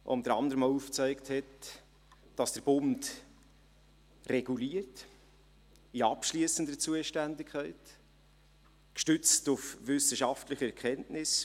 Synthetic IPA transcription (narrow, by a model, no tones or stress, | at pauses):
ʔʊ̰nd̥əɾɑnd̪əɾəmauft͡sœɪkthɛt | d̥ɑsd̥əɾb̥ʊnd | rɛɡ̥uliːəɾt | iɑpʃliəsən̩dət͡suəʃtændɪkʰχæɪt | kʃtʏt͡stufʋʏsəʃɑftlɪχəɛɾkχɛntnɪs